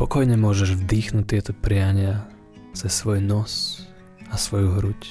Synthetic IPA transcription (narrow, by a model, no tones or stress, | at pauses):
pɔkɔjɲɛmʊɔʒɛʒvd̪iːxnut̚t̪ɪɛt̪ɔpɾɪaɲɪa | t͡sɛsːʋɔjnɔs | asʋɔjuɦɾuc